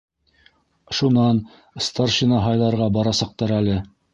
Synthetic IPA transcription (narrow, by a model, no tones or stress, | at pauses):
ʃunɑn | st̪arʃinɑɦɑjlˠɑɾʁɑbɑɾɑsɑq̚t̪ɑɾælɘ